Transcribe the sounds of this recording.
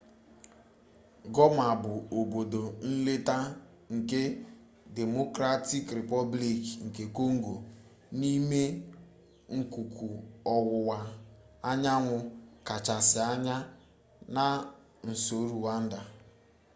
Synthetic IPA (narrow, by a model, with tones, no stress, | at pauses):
ɡɔ˦m˦˨a˨bʊ˨o˨bo˨do˨n̩˦le˦ta˦ | ŋ̩˨ke˦ | de˨mo˦kɾa˦ti˦kɾe˨pɔ˦bli˨kŋ̩˨ke˨ko˦ŋ̩˦ɡo˨ | ni˦me˦ | ŋ̩˨ku˨kʰu˨ɔ˨wʊ˨wa˨ | a˦ɲa˦ŋʷʊ˨ka˨t͡ʃa˨sɪ˨a˦ɲa˦ | na˨ | n̩˨so˨˦ɾu˨wa˦n̩˦da˨